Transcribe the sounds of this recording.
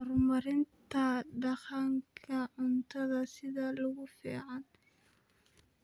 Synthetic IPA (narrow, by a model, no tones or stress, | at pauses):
rmɐɾɪnt̪ʰɐɖɑχɑŋkʰɐʕʊnt̪ʰɐðɐsɪðɐlʊɣʊfḭːʕɑn